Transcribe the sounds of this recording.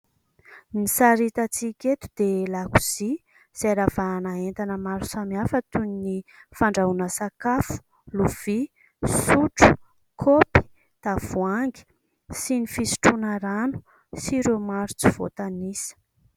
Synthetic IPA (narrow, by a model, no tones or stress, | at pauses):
nisaɾit̪at͡sikʲet̪u̥d̪̥elakuz̥i | z̥aɾavanaent̪anəmaɾusamiafət̪unnifaɳɖ͡ʐaunəsakafu̥ | luv̥i | suʈ͡ʂu̥ | kʰopi̥ | t̪av̥uaŋɡi̥ | sinifisi̥ʈ͡ʂunəɾanu̥ | siɾemaɾut͡siv̥o̰t̪anisə̥